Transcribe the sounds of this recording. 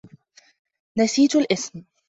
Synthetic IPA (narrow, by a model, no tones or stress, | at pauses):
nasiːt̪alʔɪsm